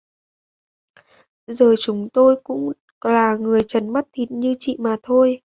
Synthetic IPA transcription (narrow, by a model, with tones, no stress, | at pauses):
zəː˨˩t͡ɕʊ˨˦ŋ͡mt̪o˧jkʊ̰˧˥ŋ͡m | laː˨˩ŋɨ˨˩əjt͡ɕə˨˩nma˦˥t̚t̪ʰi˨˩t̚ɲɨ˧t͡ɕḭ˧˨maː˨˩t̪ʰo˧j